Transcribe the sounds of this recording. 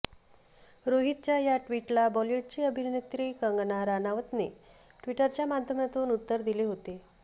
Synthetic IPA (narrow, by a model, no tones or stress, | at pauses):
ɾoɦit̪̚t͡ɕjajaʈʋiʈlabɔljeʈ̚t͡ɕiəbʱinnet̪ɾiːkəŋɡnaɾanaʋət̪ne | ʈʋiʈəɾt͡ɕjamad̪ʱjəmat̪uːnut̪ːəɾd̪ileɦot̪e